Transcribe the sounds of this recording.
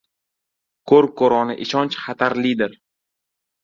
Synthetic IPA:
kʰɵɾ̚kʰoɾɒnɪʔɪʃɒnt͡ʃχat̪ʰaɾlɪd̪ɪɾ

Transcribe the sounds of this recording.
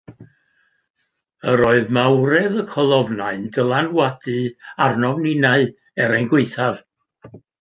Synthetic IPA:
əɾoɨðmawɾɛðəkʰɔlˠɔvnaɨndəlˠanwadɨarnɔvninaɨ | ɛɾɛjnɡweɨθav

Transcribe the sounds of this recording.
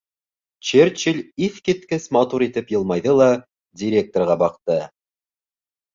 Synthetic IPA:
t͡ʃert͡ʃilʲiθkit̪kɘsmɑt̪uɾit̪ɘpjɤ̆lˠmɑjðɤlˠɑ | dʲɪɾʲe̞k̚t̪orʁɑbɑqt̪ɤ

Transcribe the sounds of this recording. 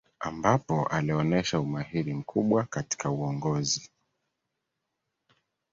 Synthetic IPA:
ambapɔʔaliɔnɛʃaumahiɾim̩kʰuɓwakati̥kauɔŋɡɔzi

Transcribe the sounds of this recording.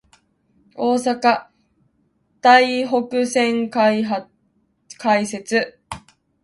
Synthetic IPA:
o̞ːsaka | d̪̥aiɦo̞kɯ̟sẽ̞ŋkaɦa | kʰaise̞t͡sɨ

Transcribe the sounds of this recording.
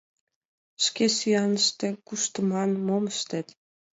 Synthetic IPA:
ʃkesyjɑnəʃt̪ekuʃt̪əmɑnmoməʃt̪et̪

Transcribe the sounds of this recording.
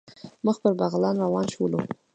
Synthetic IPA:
məxpəɾbaɣlɑnɾawɑnʃulu

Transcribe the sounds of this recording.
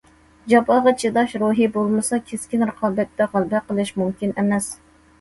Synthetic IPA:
d͡ʒɑpɑʁɑt͡ʃʰed̪ɑʃɾuɦibolˠmɨsɑkʲʰeskʲinɾəqʰɑːbɛt̪ːɛʁɑlˠbɛqəlˠɨʃmumkʲinɛmɛs

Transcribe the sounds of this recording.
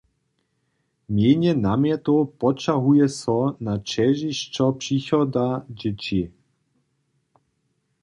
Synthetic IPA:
mjeɲɛnamjat̪upɔt͡ʃaɦujɛsɔnat͡ʃɛʒiʃt͡ʃɔpʂixɔd̪ad͡ʑɪt͡ɕi

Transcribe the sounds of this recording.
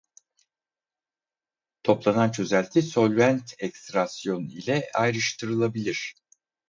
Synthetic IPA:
t̪ʰo̞plˠanant͡ʃʰø̞zælʲt̪ʰiso̞lʲvænt̪ʰɛkst̪ɾasjo̞nilʲɛajɾɯʃt̪ʰɯɾɯlˠabilʲiɾ̥

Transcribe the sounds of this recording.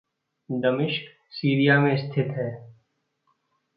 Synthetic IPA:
d̪əmɪʃk | siːɾijamẽst̪ʰɪt̪ɦɛː

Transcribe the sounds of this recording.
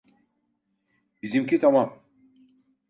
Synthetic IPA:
bizimcʲit̪ʰamam

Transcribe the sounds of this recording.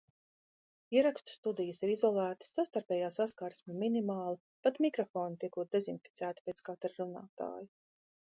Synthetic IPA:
iɛɾakst̪u̥st̪ud̪ijəsiɾizɔlˠæːt̪i̥sast̪aɾpʲɛːjaːsaskaːɾsmʲiminimaːlˠa | pat̪mikɾɔfoːnut̪iɛkuːt̪̚d̪ezinfi̥t̪sæːt̪i̥pʲet̪skaːt̪aɾɾuna̰ːt̪a̰ːji

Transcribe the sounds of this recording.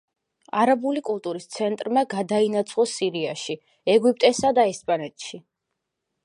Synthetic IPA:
aɾabulikʼulˠt̪ʼuɾist̪sʰɛnt̪ʼɾmaɡad̪ainat̪sʰχɔsiɾiaʃi | ɛɡwip̚ʼt̪ʼɛsad̪aɛspʼanɛt̪ʼʃi

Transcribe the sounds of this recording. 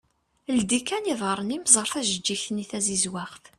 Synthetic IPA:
ld̪ikːæniðˤəɾˤənimzˤəɾˤfæʒəd͡ʒːiçniθæzizwaʁθ

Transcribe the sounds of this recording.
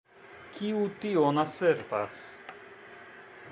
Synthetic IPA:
kʰiut̪ionaseɾt̪as

